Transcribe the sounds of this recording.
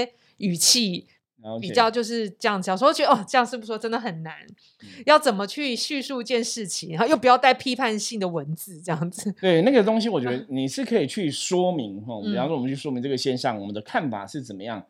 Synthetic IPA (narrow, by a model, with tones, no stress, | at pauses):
y˨˩t͡ɕʰi˥˩ | pi˨˩t͡ɕjɑ˥˧ʊt͡ɕjo˥˧ʊʂ̬ɻ̩˥˧ʈ͡ʂɤ˥˧jɑ˥˩ŋd͡zjst͡ɕɥɛ˧ə˧ɔ˥˩ʈ͡ʂɤ˧jɑ˥˧ŋʂɻ̩˥˩pu˧˩˥ʂwɔ˥ʈ͡ʂə˥nd̪ə˨xə˨˩nna˧˦n | jɑ˥˩ʊt͡sə˨˩nmə˦t͡ɕʰy˥˧ɕy˥˧su˥˧i˧t͡ɕjɛ˥˧nʂɻ̩˥˩t͡ɕʰi˨˧˩ŋa˧xo˥˧jp̬u˨˩jɑ˥˧ʊt̪a˥˩ɪpʰi˥pʰa˥˧nɕi˥˩ŋd̪ə˩wə˧˦nt͡sɹ̩˨˦ʈ͡ʂɤ˥˧jɑ˥˩ŋd͡z̩˨˩t̪we˥˩ɪna˥˩ɡə˩t̪o˥ŋɕi˧wɔ˨˩t͡ɕɥɛ˧˦d̪ə˧ni˨˩ʂɻ̩˥˩kʰɤ˧˦˥i˨˩t͡ɕʰy˥i˨˩ʂwɔ˥mi˧˦ŋxɔ˥˧˩ʂɔ˥˧wɔ˨ə̃˦t͡ɕʰy˥˩ʂwɔ˥mi˧˦ŋʈ͡ʂɤ˥˩ə˩ɕjɛ˥nɕɑ̰˥˩ŋwɔ˨˩mə˦nd̪ə˧˦kʰa˥˩nfa̰˨˩ʂɻ̩˥˩t͡sə˨˩mə˦jɑ̰˥˩ŋ